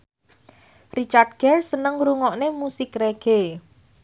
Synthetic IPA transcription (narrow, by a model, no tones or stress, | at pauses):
rit͡ʃard̚ɡ̥ɛrsənəŋɾuŋɔʔnemusɪkreɡ̥e